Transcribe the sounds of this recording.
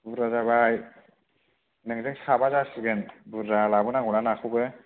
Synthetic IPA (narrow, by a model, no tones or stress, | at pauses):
buɾazabaj | nɯŋzɯŋsabazasɯɡɯnbuɾɾalabɯnaŋunanakʰubɯ